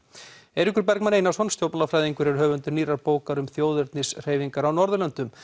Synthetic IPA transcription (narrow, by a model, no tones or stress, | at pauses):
ɛɾikʏɾpɛɾkmaneːjnasɔnst̪jowpnalafɾajðiŋkʏɾɛɾɦœːvʏnt̪ʏniːɾaɾpoːwkaɾʏmθjoːwðʏɾt̪nɪsr̥eːjviŋkaɾawnɔɾðʏlɛnt̪ʏm